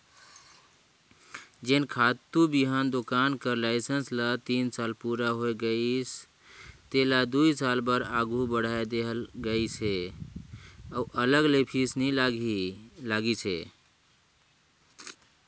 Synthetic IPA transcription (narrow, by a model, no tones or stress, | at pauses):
d͡ʒenkʰat̪ːubiɦand̪okankəɾlaɪsənslət̪insalpuɾaɦojɡəis | t̪elad̪uisalbəɾaɡʱubəɽ̤aed̪eɦlɡəit͡ʃʰe | auʔələɡlepʰisni | laɡit͡ʃʰe